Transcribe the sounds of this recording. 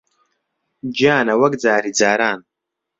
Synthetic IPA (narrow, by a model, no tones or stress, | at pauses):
d͡ʒaːnawaɡd͡zaːɾid͡zaːɾaːn